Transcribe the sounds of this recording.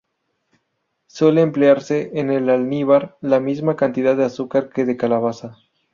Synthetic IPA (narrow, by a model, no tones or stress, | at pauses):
swe̞leːmpleaɾse̞ʔːnelalniβaɾlamizmakant̪iðaðːeasukaɾke̞ðe̞kalaβ̞asa